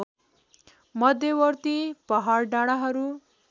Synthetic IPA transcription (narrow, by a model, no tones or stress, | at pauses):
mʌd̪ʱjewʌrt̪ipʌɦarɖaɽ̃aɦʌɾu